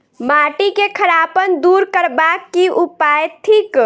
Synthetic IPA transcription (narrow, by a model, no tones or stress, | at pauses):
maʈikekʰəɾapənd̪uɾkəɾbakːiʔupajt̪ʰiːk